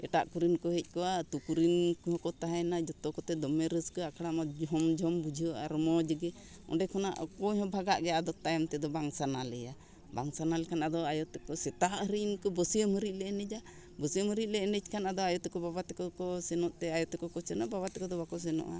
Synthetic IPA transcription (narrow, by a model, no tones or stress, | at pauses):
ɛ̰ʈaʔkuɾinkɔɦɛc̚ˀkɔwat̪ukuɾinkhɔkɔt̪aɦanad͡ʒɔt̪ɔkɔt̪ɛd̪ɔmɛɾəskəakʰɽamɔd͡ʒɦɔmd͡ʒʱɔmbud͡ʒʱiəʔa̰ɾɔmɔd͡ʒəɡɛ | ɔ̰ɖɛkʰɔna̰ʔkɔɲɦɔ̃bʱaɡaʔɡɛad̪ɔt̪ajamt̪ɛd̪ɔbaŋsanalɛja | baŋsanalɛkʰanad̪ɔajɔt̪ɛkɔsɛt̪aʔɦəɾinkɔbɔsijəmhəɾiʔ̚ˀlɛɛnɛd͡ʒa | bɔsijəməɾit̪̚lɛːnɛd͡ʒkʰanad̪ɔajɔt̪ɛkɔbabat̪ɛkɔkɔsɛnɔʔt̪ɛajɔt̪ɛkɔkɔsɛnɔʔbabat̪ɛkɔd̪ɔbakɔs̬ɛnɔ̰ʔa̰